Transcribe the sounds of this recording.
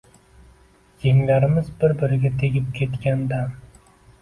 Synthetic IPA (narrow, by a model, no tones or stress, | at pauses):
d͡ʒeŋlaɾɪmɪzbɪɾbɪɾɪɡʲat̪ʰeɡʲɪp̚kʲʰe̞t̪kʲand̪a